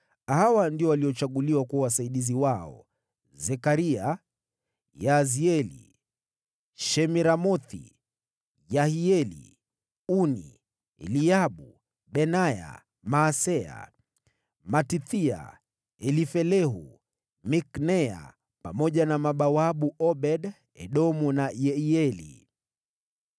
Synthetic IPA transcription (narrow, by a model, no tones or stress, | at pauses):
hawandiɔwaliɔt͡ʃaɠuliwakuawasaiɗiziwaɔ̰ | zɛkaɾia | jaziɛlḭ | ʃɛmiɾamɔθḭ | jahiɛlḭ | unḭ | ɛ̰liaɓu | ɓɛnaja̰ | maːsɛa̰ | matiθia̰ | ɛlifɛlɛɦṵ | miknɛa̰ | pamɔʄanamaɓawaɓuʔɔɓɛɗ | ɛ̰ɗɔmunajɛiɛlḭ